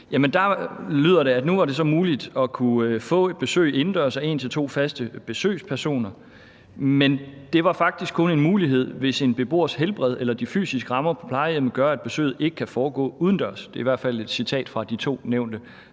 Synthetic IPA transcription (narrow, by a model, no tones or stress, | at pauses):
jæmənd̥ɑ̈lyð̞ˠɐɾe̝æd̥nuʋɑ̈ɾe̝sɒ̽muːlid̥ɒ̽kʰufɔ̰̽ːe̝d̥̚b̥e̝sø̰ːɪe̝n̩d̥ɶɐsæe̝̰ːnt͡sʰe̝lt͡sʰo̝̰ːfæsd̥əb̥e̝sø̰ːspʰæɐso̝̰ːnɐ | mend̥e̝ʋɑ̈fɑ̈ɡ̥̚d̥isɡ̥kʰɔ̽ne̝nmuːliɦe̝ð̞̰ˠʋe̝se̝nb̥e̝b̥o̝̰ːɐ̰sɦelb̥ʁɛð̞ˠelɐd̥ify̰ːsisɡ̥ʁɑ̈mɐpʰɒ̽pʰlɑ̈ɪeməɡ̥ɶɐæd̥̚b̥e̝sø̰ːð̩ˠe̝ɡ̥ə̥kʰæfɒːɡ̥ɔ̰̽ːuðˠən̩d̥ɶɐsd̥e̝ɐiʋæɐ̰d̥fæl̰e̝d̥sit͡sʰɛ̰ːd̥fʁɑ̈d̥it͡sʰo̝̰ːneʊ̰nd̥ə